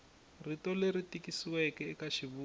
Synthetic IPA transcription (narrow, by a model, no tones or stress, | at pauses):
ritɔleritikisiwɛkɛkaʃiβuː